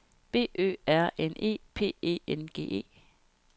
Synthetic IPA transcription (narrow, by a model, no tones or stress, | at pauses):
b̥e̝̰ːʔø̰ːæɐ̰enʔe̝̰ːpʰe̝̰ːḛːenɡ̥e̝̰ːʔe̝̰ː